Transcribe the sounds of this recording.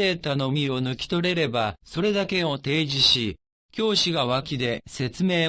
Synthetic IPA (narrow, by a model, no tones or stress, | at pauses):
e̞ːt̪ano̞mʲio̞nɯ̟kʲi̥t̪o̞ɾe̞ɾe̞baso̞ɾe̞d̪ake̞o̞t̪e̞ːʑiɕi | kʲo̞ːɕiɡaβakʲid̪e̞se̞t͡sɨme̞ː